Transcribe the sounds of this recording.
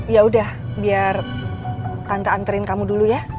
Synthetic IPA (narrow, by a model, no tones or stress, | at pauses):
jaudah | biar | t̪ant̪aːnt̪əɾɪnkamuduluja